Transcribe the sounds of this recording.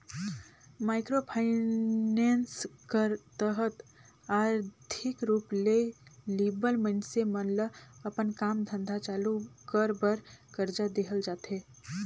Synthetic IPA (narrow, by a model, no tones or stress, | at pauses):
maːɪkɾopʰaɪneːnskəɾt̪əɦət̪ | aːɾt̪ʰɪkɾuːpleliːbəlmə̃ɳsemənləəpənkaːmd̪ʱə̃nd̪ʱat͡ʃaːlukəɾbəɾkəɾd͡ʒad̪eɦəld͡ʒaːt̪ɦeː